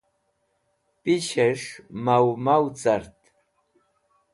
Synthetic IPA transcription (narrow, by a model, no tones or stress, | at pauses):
pɪʃeʂmawmawt͡saɾt̪